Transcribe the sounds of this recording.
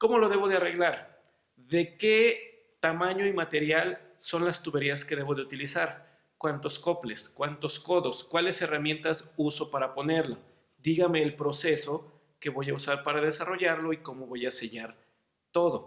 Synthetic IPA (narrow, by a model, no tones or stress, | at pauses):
ko̞mo̞lo̞ðe̞βo̞ðe̞are̞ɣlaɾ | ðe̞ke̞ | t̪amãɲo̞imat̪e̞ɾjal | so̞nlast̪uβe̞ɾiaske̞ðe̞βo̞ð̞e̞ut̪ilisaɾ | kwant̪o̞sko̞ple̞skwant̪o̞sko̞ðo̞skwale̞se̞ramje̞nt̪asuso̞paɾapo̞ne̞ɾlo | ðiɣame̞ːlpɾo̞se̞so̞ | ke̞βo̞ʝausaɾpaɾað̞e̞saro̞ʝaɾlo̞iko̞mo̞βo̞jase̞ʝaɾ | t̪o̞ðo̞